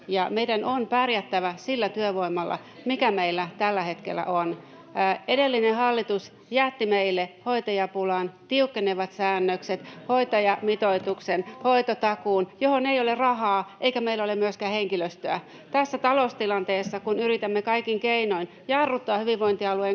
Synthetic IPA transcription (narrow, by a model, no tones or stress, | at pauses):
jɑmeidænonpærjæt̪ːæʋæsilːæt̪yøʋoimɑlːɑ̰ | mikæmeilːæt̪ælːæhet̪kḛlːˑæ̰ʔon | edelːinehɑlːit̪us | jæt̪ːimeilːehoit̪ɑjɑpulɑnt̪iukːeneʋɑt̪sæːnːøkset̪hoit̪ɑjɑmit̪oit̪uksenhoit̪ot̪ɑkuːnjohoneijolerɑhɑːʔeikæmeilːæolemyøskæːheŋkiløst̪øæ | t̪æsːæt̪ɑlost̪ilɑnt̪eːsːɑkunyɾit̪æmːekɑikiŋkeinoin | jɑrːut̪ːɑːhyʋiʋʋoint̪iɑlueŋ